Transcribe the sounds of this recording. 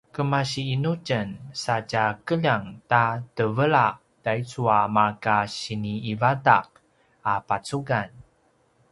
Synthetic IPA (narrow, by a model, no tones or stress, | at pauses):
kəmaɕiːnucənsacakəʎaŋtatəvəɭaʔ | d̥ait͡suamakaɕiniːvadaq̚ | apat͡suɡan